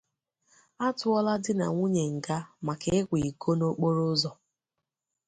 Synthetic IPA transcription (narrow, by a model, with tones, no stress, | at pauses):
a˦tʊ˦ɔ˦la˦dɪ˦na̰˨ŋʷu˦ɲe˨ŋ̩˨ɡa˦ma˨ke˨ɪ˦kʷi˨ko˦no˦k͡po˦ɾo˦zɔ˨